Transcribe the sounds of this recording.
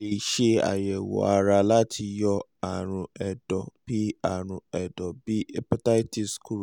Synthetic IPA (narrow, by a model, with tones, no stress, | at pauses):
e˨i˨ʃe˧a̰˨jɛ˨wɔ̰˨a˨ɾa˧la˦tʰi˧jɔ˧a˨ɾ̃ũ˧ɛ˨dɔ˨b̥i˦a˨ɾ̃ũ˧ɛ˨dɔ˨bi˦ɛ˦pɔ˦ta˦i˦ti˦sku˦ɾ